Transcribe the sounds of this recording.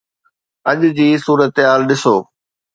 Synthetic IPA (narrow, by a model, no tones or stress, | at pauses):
ɐʄʊ̆d͡ʑiːsuːɾət̪ɦaːlɗɪsoː